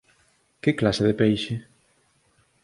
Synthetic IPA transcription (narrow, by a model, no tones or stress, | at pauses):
kɪklaseðepejʃe